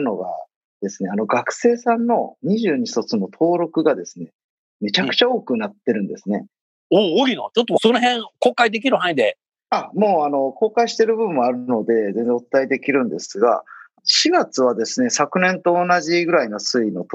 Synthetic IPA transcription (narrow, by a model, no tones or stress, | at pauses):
no̞ɡa̰ | d̪̥e̞sɨne̞ano̞ɡakɯ̟̥se̞ːsãnːo̞̰ɲ̟iʑɨːɲ̟iç̥t̪ot͡sɨno̞t̪ʰo̞ːɾo̞kɯ̟ɡad̪e̞sɨne̞ | me̞t͡ɕakɯ̟̥t͡ɕao̞ːkɯ̟nat̪ːe̞ɾɯ̟̃nd̪e̞sɨne̞ | ooɾʲinot͡ɕot̪ːosonoɦẽŋkoːkaid̪e̞k̬ʲiɾɯ̟hãid̪e̞ | amo̞ːano̞ko̞ːkaiɕi̥t̪e̞ɾɯ̟bɯɯmːo̞aɾɯno̞d̪e̞zenzd͡zẽ̞ot̪t̪ːaid̪e̞kʲiɾɯ̟̃nd̪e̞sɨɡa̰ | ɕiɡat͡sɨβ̞ad̪e̞sɨne̞sakɯ̟nẽ̞nt̪o̞ːnaʑiɡɯ̟ɾaino̞sɨino̞t̪